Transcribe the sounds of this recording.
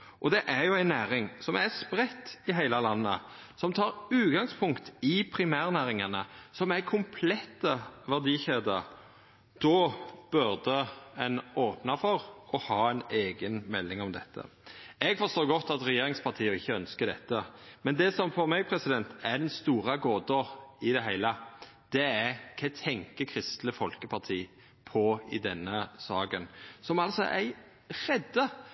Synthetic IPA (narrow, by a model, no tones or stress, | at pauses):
ʔɔd̪ɛʔæɾjʊæɪnːæːɾɪŋsɔmæspɾɛt̪ːɪɦæɪləlɑnːə̰ | sɔmt̪ʰɑːɾʉːt̪ɡɑŋspʰʊŋkt̪ɪpʰɾɪmæːʁnæːɾɪŋɑnəsɔmæɾkʰʊmpʰlɛt̪ːəʋæʁd̪iːçeːd̪əɾ | d̪̥ɔb̥ʉɾd̪əɛnoːpnɑfɔɾɔhɑːæɪneːɡənmɛlːɪŋɔmd̪ɛt̪ʰːə̰ | ɛɡfɔʁst̪oːɡɔt̪ːɑt̪ɾɛjeːɾɪŋspʰɑʁt̪ʰiːəɪçːəœnskəd̪ɛt̪ːəmɛnd̪ɛsɔmfɔɾmɛɡ̚pʰɾɛsɪd̪ɛnt̪æɖ̪ɛnst̪uːɾɑɡoːd̪əɪd̪ɛɦæɪlə | d̪̥ɛækʰɛt̪ʰɛŋkəkʰɾɪst̪ləfɔlkəpʰɑʁt̪ʰiː | pʰɔɪd̪ɛnːəsɑːɡənsɔmɑlt̪sɔ̰ʔæɾ | ɾɛd̪ːə